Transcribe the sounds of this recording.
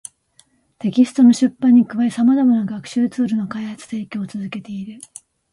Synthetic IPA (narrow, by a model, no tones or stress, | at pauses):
t̪e̞kʲisɨ̥t̪o̞no̞ɕɨpːãɲ̟ːikɯ̟βaisamazamanaɡakɯ̟̥ɕɨːt͡sɨːɾɯ̟nokaihat͡sɨ̥t̪eːkʲoːt͡sɨzɨke̞t̪e̞iɾɯ̟